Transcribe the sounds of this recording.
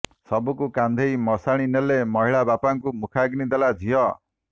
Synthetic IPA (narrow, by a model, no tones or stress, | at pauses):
sɔbukukand̪ʱejmɔsaɽ̃inelemɔɦiɭabapaŋkumukʰaɡnid̪elad͡ʒʱijɔ